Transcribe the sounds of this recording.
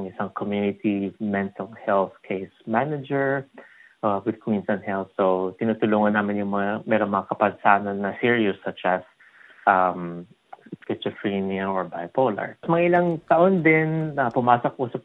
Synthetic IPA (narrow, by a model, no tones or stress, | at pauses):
ŋʔɪsaŋkʰomjunɪt̪imɛnt̪ʰɐlhɛlθkʰejsmanɐd͡ʒɛɹʔawɪd̪̚kʰwinsɐnhɛlθsot̪ɪnuːt̪ʊluːŋɐnːaːmɪnjʊŋmɐamɛːɾoŋmɐŋakɐpɐnsaːnɐnːɐsiɹiʊsːɐt͡ʃʔɐs | ʔam | pɪt͡ʃɔfɹiniɐŋʔɔɹbajpolɐ̰ɹsmɐŋaʔɪlɐŋt̪ɐʔond̪ɪnɐpʊmaːsokʔuːsɐb̚